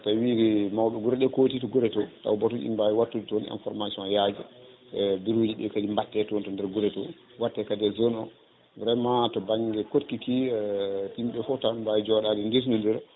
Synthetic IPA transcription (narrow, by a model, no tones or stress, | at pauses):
tawikimawɓɛɡuɾɛɗɛkotitɔɡuɾɛtɔta̰wbɔtɔʔḭmbajiwatːuditɔnɛ̰nfɔɾmasiɔ̃njad͡ʒɛ | biɾud͡ʒiɗɛ̰kadimbatːɛtɔntɔndɛɾɡuɾɛtɔ̰ | watːɛkadɛzɔnɔ | vɾɛmatɔbaŋɡɛkotkiki | timɓɛfɔtabajid͡ʒɔɗadɛndis̬nundɛɾ